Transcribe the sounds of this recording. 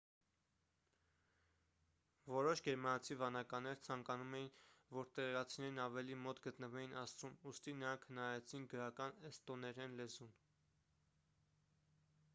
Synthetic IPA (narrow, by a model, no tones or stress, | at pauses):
vɔɾɔʃɡɛɾmɑnɑt͡sʰivɑnɑkɑnɛɾt͡sʰɑŋkɑnumɛjinvɔɾt̪ɛɾɛɾɑt͡sʰinɛɾnɑvɛlimɔt̪ɡət̪nəvɛjinɑst͡sumust̪inəɾɑŋkʰhənɑɾɛt͡sʰinɡəɾɑkɑnɛst̪ɔnɛɾɛnlɛzun